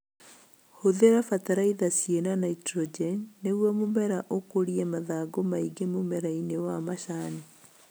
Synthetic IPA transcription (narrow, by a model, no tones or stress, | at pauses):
hoðeɾafataɾaiðasienanaitɾɔd͡ʒɛnːewamomɛɾaʔokoɾiɛmaðaɡomaiɡemomɛɾainewamaʃani